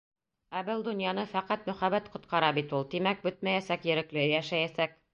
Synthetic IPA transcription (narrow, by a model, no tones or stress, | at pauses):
æbɘlˠd̪ŏnjɑnɤfæqæt̪mɵ̆χæβæt̪qŏt̪qɑɾɑbit̪ulˠt̪imæk̚bɵt̪̚mæjæsækjɘ̆ɾɘ̆klɘjæʃæjæsæk̚